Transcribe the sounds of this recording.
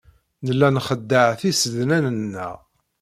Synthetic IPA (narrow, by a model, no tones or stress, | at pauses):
nəlːænχəd̪ːəʕθisəðnænənːæ̰